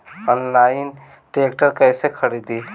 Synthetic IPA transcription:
ɔnlaɪn | ʈɾeːkʈəɾkɛːsekʰəɾid̪i

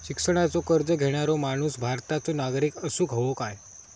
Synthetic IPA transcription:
ɕiksəɽ̃at͡sokəɾd͡zəɡʱeɽ̃aɾomaɽ̃uːsbʱaɾt̪at͡sonaɡɾiːkəsuːɡʱəʋokaj

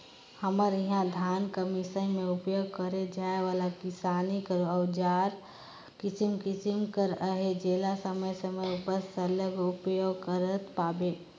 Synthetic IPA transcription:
həməɾiɦãd̪ʱjaːnkəmisənmẽʊpjoɡ̚kəɾed͡ʒaːeʋaːlakɪsaːnikəɾoɔːʊd͡ʒaːɾ | kɪsimkɪsimkəɾəɦed͡ʒeːlasəməjsəməjupəɾsələɡʊpjoːɡkəɾət̪paːbe

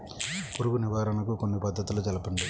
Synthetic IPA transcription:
poɾuɡuniʋaːɾɐnɐkukonːibɐd̪ːɐt̪ulut͡ʃɐlɐpɐɳɖi

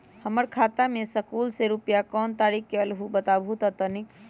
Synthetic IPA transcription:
həməɾkʰaːt̪amẽsəkuːlseɾupjakɔːnt̪aːɾikkeəlɦubət̪abʱut̪ət̪ənik

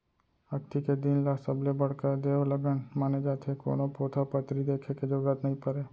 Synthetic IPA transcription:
əkt̪iked̪inlasəblebəɽ̤kad̪eːoləɡənmaːned͡ʒaːt̪ʰeko̰ːnõpoːt̪ʰapət̪ɾid̪eːkʰeked͡ʒoːɡat̪nəɦĩpəɾeː

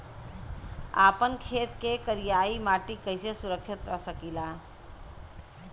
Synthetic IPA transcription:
a̰pənkʰet̪kekəɾijaimaʈikəɪsesuɾəkʃʰit̪ɾəɦsəkila

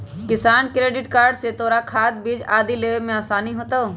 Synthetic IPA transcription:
kɪsaːnkɾeːɖɪʈkaːɾɖset̪oːɾakʰaːt̪̚bid͡ʒaːd̪ileːʋemẽaːsaːniɦoːt̪o

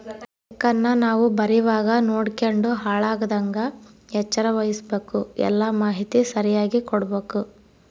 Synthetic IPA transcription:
kːɐnːɐnaːʋubɐɾiʋaːɡɐnoːɽkeɳɖuɦaːɭaːɡɐd̪ɐŋɡɐɛt͡ʃːɐɾɐʋɐjisbeːkuɛ̰lːɐmaːɦit̪isɐɾijaːɡikɔɽɐbeːku

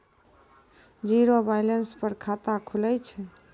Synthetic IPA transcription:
d͡ʒiɾobajlenspəɾkʰat̪akʰulɛt͡ʃʰɛ

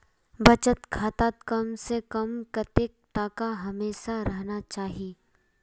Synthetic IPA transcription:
bɐt͡ʃət̪kʰaːt̪aːt̪kɐmsekɐmkɐt̪eːk̚t̪aːkaɦɐmeːʃaɾɐɦnat͡ʃaːɦieː

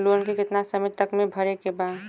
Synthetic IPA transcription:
loːnkekɪt̪nasəmɪt̪əkmẽbʱəɾekebaːd̪

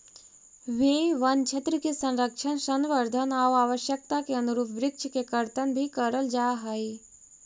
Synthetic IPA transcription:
ʋeʋənt͡ʃʰet̪ɾəkesə̃nɾəkʃʰənʃənʋəɾd̪ʱənawaːʋəʃjək̚t̪akeənuɾuːpʰʋɾɪkʃkekəɾt̪ənbʱikəɾəld͡ʒaːɦəi

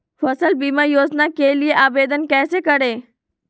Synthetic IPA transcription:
fəsəlbiːmajoːd͡ʒnakelɪeʔaːbeːd̪ənkɛːsekəɽeː

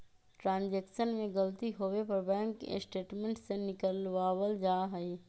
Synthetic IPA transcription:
ʈɾãːnd͡ʒeːkʃənmẽɡɐlt̪iɦoːʋepɐɾbɛ̃ːŋkḛsʈeːʈmẽɳʈsenɪkəlʋaːʋəld͡ʒaːɦəiː

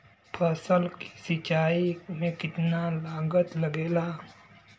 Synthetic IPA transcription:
pʰəsəlki̥sit͡ʃaimẽkit̪nalaɡət̪ləɡela

